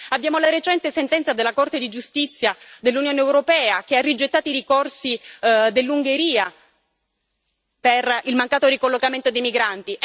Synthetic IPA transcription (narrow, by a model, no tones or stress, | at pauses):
abːjaːmolaɾet͡ʃɛnt̪esent̪ɛnt̪sad̪elːakort̪ed̪id͡ʒust̪it̪sːjad̪elːunjoːneːwɾopɛːakearːid͡ʒet̪ːaːt̪oiɾikorsid̪elːuŋɡeɾiːa | perilmaŋkaːt̪orikolːokament̪od̪ejmiɡɾant̪i